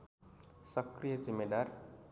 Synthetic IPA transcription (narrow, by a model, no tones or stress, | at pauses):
sʌkrijʌd͡zimːed̪ar